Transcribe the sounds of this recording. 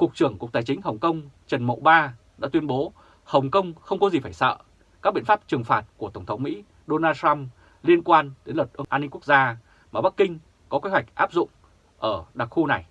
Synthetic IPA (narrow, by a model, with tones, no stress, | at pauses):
kʊ˨˩k̚t͡ɕɨ˧˩əŋkk̚t̪aː˨˩jt͡ɕï˨˦ŋ̟ɦə˨˩wŋ͡mkə˧wŋ͡mt͡ɕə˨˩nmo̰˧˨ɓaː˧ | ɗa̰ː˧˥t̪wi˧ənɓo˨˦ | hə˨˩wŋ͡mkə˧wŋ͡mxə˧wŋ͡mkɔ˨˦zi˨˩faː˧˩jsə̰ː˧˨ | ka˦˥k̚ɓḭ˧˨nfa˦˥p̚t͡ɕɨ˨˩əŋfaː˨˩t̚ku˧˩ət̪ə˧˩ŋ͡mt̪ʰə˨˦wŋ͡mmḭ˧˥ | ɗo˧naː˧ta˧m | li˧ənkwaː˧nɗe˨˦nlə˨˩t̚ʔə˧nʔaː˧nːi˧ŋku˦˥ək̚zaː˧ | maː˨˩ɓa˦˥kːï˧ŋ̟ | kɔ˨˦kwe˨˦hwa˨˩jk̟̚ʔaː˦˥p̚zʊ̰˧˨ŋ͡m | ʔəː˧˩ɗa˨˩k̚xu˧na˨˩j